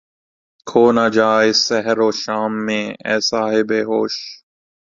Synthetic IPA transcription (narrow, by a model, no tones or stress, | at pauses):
kʰoːnaːd͡ʒaːɪsːɛɦəɾoːʃaːmːẽːɛ̰ːsaːɦeːbeːɦoːʃ